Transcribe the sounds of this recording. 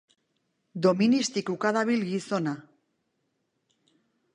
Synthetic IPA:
d̪ominist̪ikukaðaβilɣisona

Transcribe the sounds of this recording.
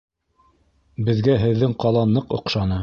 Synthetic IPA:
bɘ̆ðɡæɦɘ̆ðːɘŋqɑlˠɑnɤqŏqʃɑnɤ

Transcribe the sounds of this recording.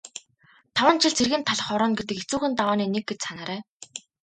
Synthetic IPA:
t̪ʰawə̆nt͡ɕʰɪ̆ɮt͡sʰerɣɘ̆nt̪ʰːaɮ̆χɔɾɔːnɡet̪ɘ̆ket͡suːxɘ̆nt̪awaːniːnek̚ɡet͡ɕsanaːɾæː

